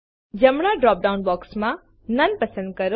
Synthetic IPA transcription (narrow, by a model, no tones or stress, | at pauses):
d͡ʒəmɽ̃aɖɾɔːp̚ɖaʊnbɔːksmã | nɐnpəsə̃nd̪̚kəɾ